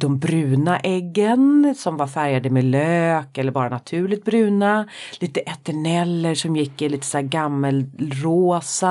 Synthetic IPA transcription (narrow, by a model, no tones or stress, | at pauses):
d̪ɔmbɾʉ̟ːnaʔɛɡːənsɔmvaɾfæɾjad̪əmeløːkɛlːəɾbɑːɾanat̪ʰʉ̟ːɭɪt̪̚bɾʉ̟ːnaliːt̪əʔɛt̪ɛɳɛlːəʂɔmjɪkːɪliːt̪ə̥sæːɡamːəlɾoːsa